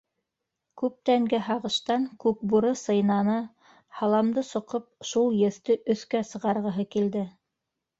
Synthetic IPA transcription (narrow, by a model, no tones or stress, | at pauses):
kʉp̚t̪æŋɡæɦɑʁɤ̆ʃt̪ɑŋkʉp̚buɾɤsɤ̆jnɑnɤ | hɑlˠɑmd̪ɤsŏqɤp̚ʃulˠjɘ̆θt̪ɘʔɵ̆θkæsɤ̆ʁɑɾʁɤ̆ɦɤkild̪ɘ